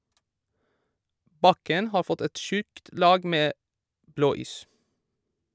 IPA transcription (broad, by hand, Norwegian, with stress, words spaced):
ˈbɑkən ˈhɑːɾ ˈfɔt ˈɛt ˈʃʉkt ˈlɑːɡ ˈmeː ˈbloːˌiːs